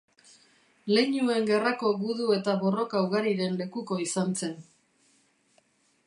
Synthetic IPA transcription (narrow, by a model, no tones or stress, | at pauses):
le̞ɲue̞ŋɡe̞rako̞ɣuðue̞t̪aβo̞ro̞kauɣaɾiɾe̞nle̞kuko̞isant͡se̞n